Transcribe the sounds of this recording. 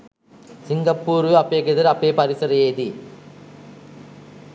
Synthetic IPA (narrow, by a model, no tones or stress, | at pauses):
sɪŋɡɐpːuːɾɯɐpːeːkɪðɐɾɐpːeːpɐɾɪsɐɾɐjeːd̪i